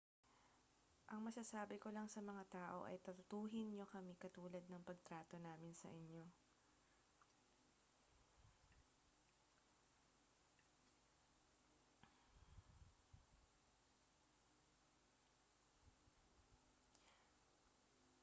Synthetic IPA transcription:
ʔɐŋmɐsasaːbɪko̞lɐŋsɐmɐŋat̪aːʔo̞̰ʔɐ̰jt̪ɐt̪ʊt̪uːɦɪnɲo̞kɐmɪkɐt̪uːlɐd̪̚nɐŋpɐɡ̚t̪ɾaːt̪o̞naːmɪnsɐ̰ʔɪɲjo̞

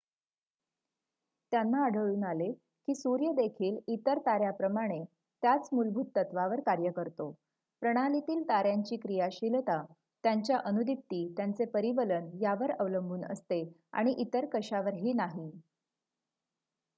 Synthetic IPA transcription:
t̪janːaːɽ̤ʱəɭuːnale | kiːsuɾjəd̪ekʰiːlit̪əɾt̪aɾjapɾəmaɽ̃e | t̪jat͡smulbʱuːt̪ːət̪ʋaʋəɾkaɾjəkəɾt̪o | pɾəɽ̃alit̪iːlt̪aɾjaɲt͡ɕiːkɾijaɕilt̪a | t̪jaɲt͡ɕjaʔənud̪ʱip̚t̪iːt̪jant͡sepəɾiʋələnjaʋəɾəʋləmbʱuːnə̰st̪ea̰ɽ̃iʔit̪əɾkəɕaʋəɾɦiːnaɦi

